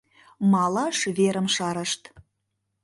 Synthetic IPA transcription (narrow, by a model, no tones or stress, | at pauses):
mɑlˠɑʃβeɾə̆mʃɑɾə̆ʃt̪